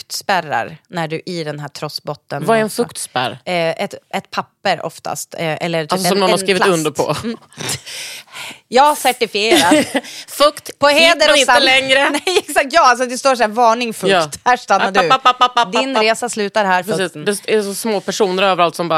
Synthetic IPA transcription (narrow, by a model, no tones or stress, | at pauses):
kt̪spæɾa̰ɾnæɖɵʔɪd̪ɛnɦæːʈʰɾɔsbɔt̪ːənvaɛɾɛnfɵkt̪spæ̰ɾʔɛt̪ʔɛt̪pʰapːəɾɔ̰ft̪ʰa̰st̪ʔɛ̰lːəɾalsɔsɔmnɔnhaskɾiːvɪɵnd̪əpʰɔ̰ | jɑːhasæʈɪfɪeːɾat̪fɵkt̪pʰɔheːd̪əɾɔɪaəlɛŋɾənɛjɛksak̚t̪jɑːals̬ɔd̪ɛst̪oːʂæːɾvɑːɳɪŋfɵjkːt̪hæːʂt̪anːadɵd̪ɪnɾeːsaslʉ̟ːt̪aɾɦæːɾfsːd̪ɛsɛsɔsmoːpʰæʂuːnəɾøːvəɾalt̪sɔmbɑː